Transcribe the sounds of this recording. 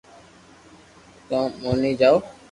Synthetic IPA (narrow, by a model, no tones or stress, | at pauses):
t̪ãːmoːniːd͡ʒaːoː